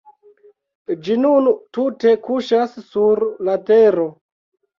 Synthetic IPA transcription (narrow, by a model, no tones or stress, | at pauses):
d͡ʒinuntute̞kuʃassuɾlateɾo